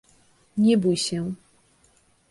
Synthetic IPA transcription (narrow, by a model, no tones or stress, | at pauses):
ɲɛbujɕɛ